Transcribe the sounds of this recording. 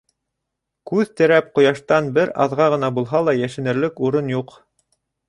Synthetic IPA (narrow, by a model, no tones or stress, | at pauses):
kʉðt̪ɘ̆ɾæp̚qŏjɑʃt̪ɑnbɘɾɑ̰ðʁɑʁɤ̆nɑbulˠɦɑlˠɑjæʃɘ̆nɘ̆ɾlɘkuɾɤnjuq